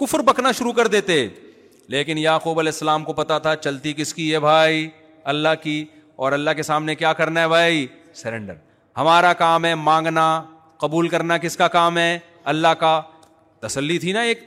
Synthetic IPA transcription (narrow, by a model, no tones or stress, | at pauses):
kʊfɾbɐknaʃʊɾukɐɾd̪eːt̪e | leːkɪnjaːxuːbɐlɛːsːɐlaːmkopɐt̪at̪ʰat͡ʃɐlt̪ik̬ɪskiɛbʱaːi | ɐlːaɦki | ɔːɾɐlːaɦkesaːmnekjaːkɐɾnaɦɛbʱaːi | sɛɾɛ̃ɳɖə̰ɾ | hɐmaːɾakaːmɦɛmãːŋɡna | qɐbuːlkɐɾnakɪskakaːmɦɛ | ɐlːaɦka | t̪ɐsəlːit̪ʰinaeːk̚